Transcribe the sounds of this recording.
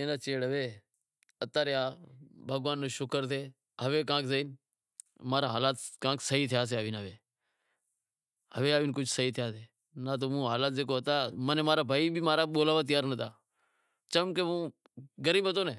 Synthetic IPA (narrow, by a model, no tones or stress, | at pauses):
ẽːnaːt͡ʃeːɽəʋeː | ət̪aːɾejaːbʱəɡʋaːnːoːʃʊkəɾt̪ʰeː | ɦəʋeːk̬ãːkzəiːn | maːɾaːɦaːlaːt̪kãːksəɦiːt̪ʰɪjaːs̬eaːʋiːnəʋeː | həʋeːaːʋiːnkʊt͡ʃʰsəiːt̪ʰɪjaːseː | naːt̪̬oːmũːɦaːlaːt̪̚zeːkoːɦət̪aːmənẽːmaːɾaːbʱaːiːbʱiːmaːɾaːɓoːlaːʋaːt̪̬ɪjaːɾnət̪aː | t͡ʃəmkeːʋũː | ɡəɾiːbɦət̪oːneː